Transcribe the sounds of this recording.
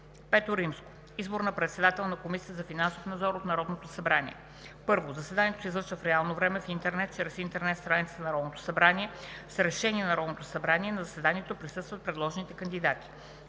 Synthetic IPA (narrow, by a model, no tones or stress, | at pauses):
pɛt̪oɾimsko̥ | izboɾnəpɾɛt̪sɛd̪at̪ɛlˠnɐkomisijəzɐfinansofnɐd̪zɔɾot̪nɐɾɔd̪not̪osɐbɾanḭɛ̰ | pɤɾvozɐsɛd̪anijɛt̪osizvɤɾʃvəfɾɛalˠnovɾɛmɛfint̪ɛɾnɛt̪̚t͡ʃɾɛsint̪ɛɾnɛt̪st̪ɾanit̪snɐɾɔd̪not̪o̥sɐbɾaniɛsɾɛʃɛnʲiɛnɐɾɔd̪not̪osɐbɾaniɛnɐzɐsɛd̪aniɛt̪opɾisɤst̪vət̪̚pɾɛd̪lˠɔʒɛnit̪ɛkənd̪id̪at̪i̥